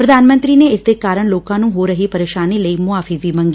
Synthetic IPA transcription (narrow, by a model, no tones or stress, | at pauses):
pɾəd̪aːnmə̃nt̪ɾiːneːɪsd̪eːkaːɾəɳloːkãːnũːɦoːɾəɦiːpəɾeːʃaːniːləiːmʊaːfʰiːʋiːmə̃ŋɡi